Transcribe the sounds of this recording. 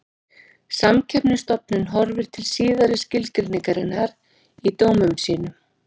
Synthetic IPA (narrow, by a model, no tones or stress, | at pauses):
samcʰɛpnʏst̪ɔpnɪnɦɔɾvɪɾ̥t̪ʰɪlsiːðaɾɪscɪlkɪɾnɪkaɾɪnaɾ | it̪oːwmʏmsiːnʏ